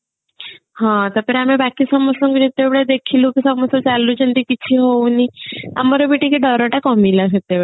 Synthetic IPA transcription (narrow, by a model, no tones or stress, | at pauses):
hãt̪ɔpeɾamebakisɔmɔsɔŋkid͡ʒit̪ebɽed̪ekʰilũkisɔmɔsɔt͡ʃalud͡ʒəɳʈ̪ikit͡ʃʰiɦownia̰mɔɾɔbiʈikiɖɔɾɔʈakɔmilaɦet̪ebe